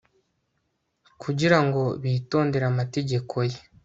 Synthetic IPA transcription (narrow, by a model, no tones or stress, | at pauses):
kʰuɟiɾaŋɡo̞βiːto̞ːnde̞ɾamate̞ɟe̞kʰo̞je